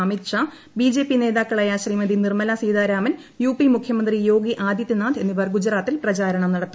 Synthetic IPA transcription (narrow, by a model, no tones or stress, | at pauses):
mit̪ʂa | biːd͡ʑe̞ːpine̞ːðaːkːɐɭɐjaːɕriːmɐd̪inirmɐlasiːðaːɾaːmɐn | juːpimukʰjɐmɐnd̪rijo̞ːɡiʔaːd̪jɐt̪ːinaːd̪e̞nːiʋɐrɡud͡ʑɐɾaːt̪ːilprɐt͡ɕaːɾɐɳɐmnɐɽɐt̪ː